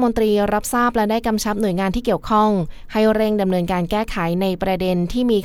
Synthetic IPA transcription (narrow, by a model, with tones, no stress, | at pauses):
mo˧nt̪ɾiː˧ɾa˦˥p̚saː˥˩p̚lɛ˦˥daː˥˩jka˧mt͡ɕʰa˦˥p̚nu˨˩əjŋaː˧nt̪ʰiː˥˩ki˨˩əwkʰɔ˥˩ŋha˥˩jɾe˥˩ŋda˧mnɤː˧nkaː˧nkɛː˥˩kʰa˩˦jna˧jpɾa˧de˧nt̪ʰiː˥˩miː˧